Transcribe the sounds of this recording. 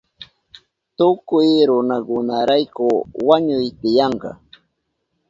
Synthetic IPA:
t̪ʊkʊjɾʊnakʊnaɾajkʊwaɲʊjt̪ɪjɑɴɢɑ̰

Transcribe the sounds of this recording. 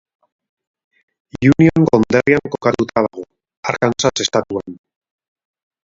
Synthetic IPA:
junio̞ŋɡo̞nd̪eriaŋko̞kat̪ut̪ʰað̞aɣo̞ | aɾkansase̞st̪at̪uan

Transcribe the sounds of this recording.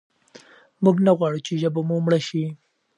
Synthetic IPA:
muɡnaɣwɑɽut͡ʃeʒabamumɽaʃi

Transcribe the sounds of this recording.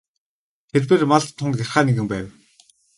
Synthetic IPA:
t̪ʰerpeːrmaɮt̪ʰːʊŋerχaːneɣɘ̆mpæːw

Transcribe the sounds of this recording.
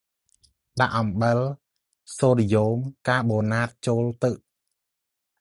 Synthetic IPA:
ɗaʔɑmɓəl | soːlijoːmkaːɓoːnaːt̪̚t͡ɕoːlt̪ɨʔ

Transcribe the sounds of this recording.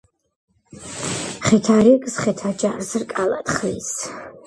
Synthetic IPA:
χɛt̪ʰaɾikʼsχɛt̪ʰad͡ʒarzrkʼala̰t̪χlis

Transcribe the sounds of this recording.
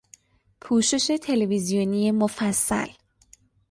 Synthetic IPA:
pʰuːʃe̞ʃe̞t̪ʰe̞levizijonijemofæsːæ̰l

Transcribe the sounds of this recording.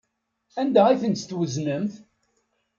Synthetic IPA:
ænd̪æiθənst̪wəznəmθ

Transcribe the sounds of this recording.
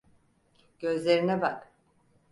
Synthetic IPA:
ɟ̥ø̞zlʲeɾinɛbak

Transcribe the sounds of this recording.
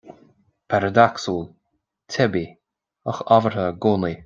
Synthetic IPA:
pʰaɾəd̪aksuːlˠ | t̪ʰɛbi | əxɔvəɹhəɡoːni

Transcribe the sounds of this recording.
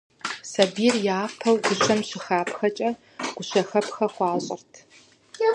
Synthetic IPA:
sɐbiːrjaːpʰɐwɡʷʊɕɐmɕɪxaːpʰxɐt͡ʃʼɐ | ɡ̥ʷʊɕɐxɐpʰxɐχʷɑːɕʼɐ̰rtʰ

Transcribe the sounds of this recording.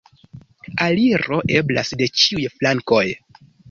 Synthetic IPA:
aliɾo̞ʔe̞bla̰sde̞t͡ʃiujflaŋko̞j

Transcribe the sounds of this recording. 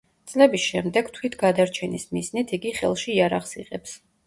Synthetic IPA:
t̪sʼlɛbisʃɛmd̪ɛɡ̥t̪ʰwit̪ʰɡad̪aɾt͡ʃʰɛnismiznit̪ʰiɡiχɛ̰lˠʃiːaɾaχsiqʼɛps

